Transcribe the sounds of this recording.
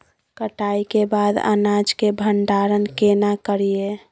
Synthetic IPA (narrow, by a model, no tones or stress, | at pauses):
kəʈaːikebad̪ə̰nad͡ʒkebʱəɳɖaːɾənkenakəɾije